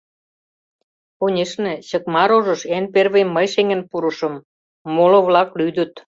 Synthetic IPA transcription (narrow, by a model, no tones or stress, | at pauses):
onʲeʃnĕt͡ɕə̆kmɑɾoʒə̆ʃenperβeməjʃeŋə̆npuɾə̆ʃɤ̆mː | olŏβlɑklyd̪ə̆t̪